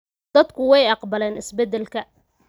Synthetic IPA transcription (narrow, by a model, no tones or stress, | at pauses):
d̪̥ɐd̪kʰʊwɛjɑqbɐlɛːnɪsbɛd̪ɛlkʰɐ